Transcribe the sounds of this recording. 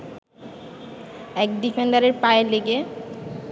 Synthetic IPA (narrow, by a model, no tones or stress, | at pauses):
ɛk̚ɖifenɖaɾeɾpaeleɡe